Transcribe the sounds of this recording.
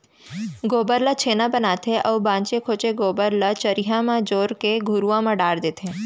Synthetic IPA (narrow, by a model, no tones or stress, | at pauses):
ɡoːbəɾlət͡ʃʰeːnãbənaːt̪ʰeʔəʋbãːɲt͡ʃekʰoːt͡ʃeɡoːbəɾlət͡ʃəɾiɦãmãd͡ʒoːɾkeɡʱʊɾuãmãɖaːɽd̪eːt̪ʰe